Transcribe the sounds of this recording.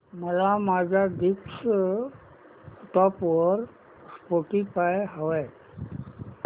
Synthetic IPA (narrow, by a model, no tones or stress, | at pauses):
məlamaːd͡ʒad̪iks | ʈɔpʋəɾ | spoʈipaeɦəʋe